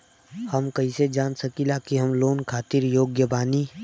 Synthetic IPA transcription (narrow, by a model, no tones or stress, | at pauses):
hɐmkɐɦised͡ʒaːnsɐkilaːkiɦɐmloːnkʰaːt̪iɾjoːɡjəbaːniː